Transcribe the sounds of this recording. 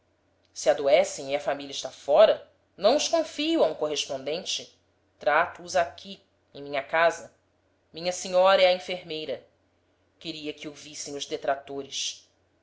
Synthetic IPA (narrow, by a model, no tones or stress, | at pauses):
sɪad̪uɛsẽj̃iɐfamiljɐɪʃt̪afɔɾɐ | nɐ̃w̃ʊʃkõfijuaũkoɦeʃpõnd̪ẽnt͡ʃɪ | t̪ɾat̪uːzakʲʰi | ẽj̃mĩɲɐkazɐ | mĩɲɐsiɲɔɾɐɛɐĩfeɾmejɾɐ | kɪɾiɐkɪovisẽj̃ʊzd̪et̪ɾat̪oɾɪʃ